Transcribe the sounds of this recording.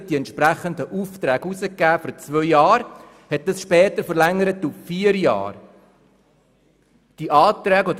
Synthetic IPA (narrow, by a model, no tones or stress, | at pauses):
d̥iɛntʃpɾæχənd̪əʔuːft̪ɾɛːɡuzəkːæːfyɾt͡sʋœʏjɑːɾ | hɛt̚dɑsʃpɛːtəɾfəɾlɛŋːəɾətuffiːəɾjɑ̰ːr | d̥iʔɑːtɾɛːɡɔd